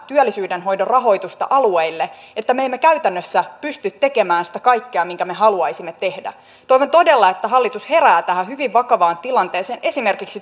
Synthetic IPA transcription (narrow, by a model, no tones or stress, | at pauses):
t̪yølːisyːdenɦo̞jdorɑɦo̞jt̪ust̪ɑ̰ʔɑlueilːe | et̪ːæmeemːekæyt̪ænːøsːæpyst̪yt̪te̞ke̞mæːnsi̥t̪æ̥kɑjkːeɑmiŋkæmeɦɑluɑjsimːet̪e̞hdæ̰ | t̪ojʋont̪o̞de̞lːɑe̞t̪ːæɦɑlːit̪ushe̞ɾæːt̪æhæhyʋiʋʋɑkɑʋɑːnt̪ilɑnt̪eːseːnʔe̞sime̞rkiksi